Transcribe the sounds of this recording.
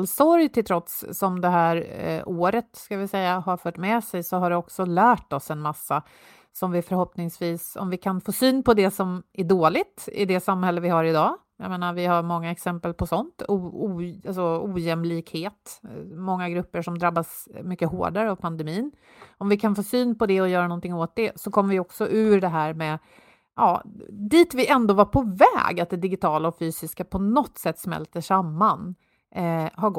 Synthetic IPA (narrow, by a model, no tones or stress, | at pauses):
lsɔɾjt̪ʰɪlt̪ʰɾɔt̪sːɔmd̪ɛɦæːɾoːɾət̪skavɪsɛjːahaɾfœːʈmɛsɛjsɔɦaɖɛɔksɔlæːʈɔsɛnmasːa | sɔmvɪfœɾhɔpnɪŋsviːsɔ̰mvɪkʰanfoːsyːnpʰɔd̪ɛsɔmæɖoːlɪt̪ɪ̰d̪ɛsamhɛlːəvɪɦaɾɪd̪ɑː | ja̰meːnaɾvɪhaɾmɔŋːaɛksɛmpəlpʰɔsɔnt̪uːuːalsɔuːjɛmliːkheːt̪mɔŋːaɡɾɵpːəʂɔmd̪ɾabːas | mʏkːəho̰ːɖaɾəavpʰand̪ɛmiːn | ɔmvɪkʰanfoːsyːnpɔd̪ɛɔjœːɾanɔnt̪ɪŋoːt̪̚d̪ɛsɔkʰɔmːəvɪɔksɔʔʉ̟ːɖɛɦæːɾmɛ | ʔɑ̰ːd̪iːt̪vɪʔɛnd̪oːvaɾpʰɔvɛ̰ːɡat̪̚d̪ɛd̪ɪɡɪt̪ʰɑːlaɔfyːsɪskapʰɔnɔt̪ːsɛt̪ːsmɛ̰lt̪əʂamːan | haɡɔ